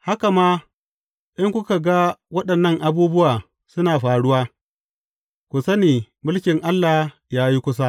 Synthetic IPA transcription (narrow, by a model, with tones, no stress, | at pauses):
ha˦ka˨maː˦ | ʔɪ˦ŋkʷʊ˦ka˨ɡa˦wɐ˦ɗɐ˨nːɐ˦ŋʔa˨buː˦bʊ˦waː˨ | sʊ˦naː˨ɸaː˨ɽʊ˦waː˦ | kʷʊ˨sɐ˦neː˨ | mʊ˦lkʲɪ˨ŋʔa˦lːaː˨ | jaː˦ji˦kʷʊ˦s̬a˦